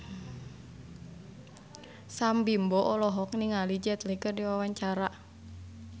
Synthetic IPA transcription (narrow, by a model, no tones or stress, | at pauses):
sambimbɔʔɔlɔɦɔk̚niŋalid͡ʒɛt̪likərdiwawaɲt͡ʃaɾa